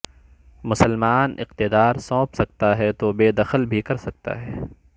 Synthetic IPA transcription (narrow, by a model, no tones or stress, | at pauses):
mʊsəlmaːnɪ̰qt̪ɪd̪aːɾsɔ̃ːpsɐk̚t̪aɦɛt̪oːbeːd̪ɐxəlbʱikɐɾsɐk̚t̪a̰ɦɛː